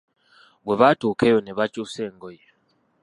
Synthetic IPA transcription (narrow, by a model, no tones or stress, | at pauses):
βweβatukʰejoneβat͡ʃuseːŋɡoje